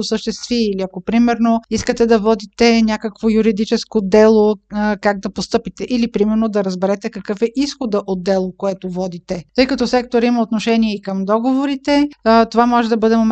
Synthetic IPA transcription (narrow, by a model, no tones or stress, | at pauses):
osəʃt̪ɛst̪viiliɐkopɾimɛɾnoiskət̪ɛd̪ɐvɔd̪it̪ɛnʲjakəkvojuɾid̪it͡ʃɛskod̪ɛlˠokaɡ̚d̪ɐpost̪ɤpit̪ɛʔilipɾimɛɾnod̪ɐɾəzbɛɾɛt̪ɛkɐkɤfɛʔisxod̪əʔot̪̚d̪ɛlˠokoɛt̪ovɔd̪it̪ɛt̪ɤjkɐt̪ɔsɛkt̪oɾiməot̪noʃɛniɛikəmd̪ɔɡovoɾit̪ɛt̪ovamɔʒɛd̪ɐbɤd̪ɛmom